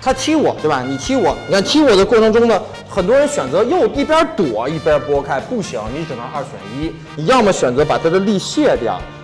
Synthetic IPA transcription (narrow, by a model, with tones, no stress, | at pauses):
t̪ʰa˥t͡ɕʰi˥wɔ˨˩˦t̪we˧˩ba˧˩ɪni˨˩t͡ɕʰi˥wɔ˨˩ni˨kʰa˥˩t͡ɕʰi˥wɔ˨˩d̪ə˦kwɔ˥˩ʈ͡ʂʰɤ˧˥ŋʈ͡ʂʊ˥ŋd̪ə˨ | xə˨˩nt̪wɔ˥ɻə˧˥nɕɥɛ˨˩nt͡sɤ˧˥jo˥˩ʊi˥˩pjə˞˥t̪wɔ˨˩˦i˥˩pjə˥pwɔ˥kʰa˥ɪpu˥˩ɕi˧˥˦ŋni˧˥ʈ͡ʂɻ̩˨˩nə˧˥ʔa˞˥˩ɕɥɛ̰˨˩ni˥ | ni˨˧˥jɑ˥˩ŋmə˩ɕɥɛ˨˩nt͡sɤ˧˥pa˨˩t̪ʰa˥d̪ə˨li˥˧ɕjɛ˥˩t̪jɑ̰˨˩˦